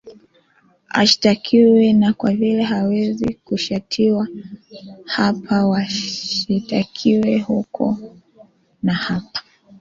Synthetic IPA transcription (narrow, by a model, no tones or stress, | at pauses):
a̰ʃi̥takʰiwɛnakwavilɛɦawɛzikuʃatʰiwa | hapʰawaʃitakʰiwɛhukʰɔ̰ | nahapḁ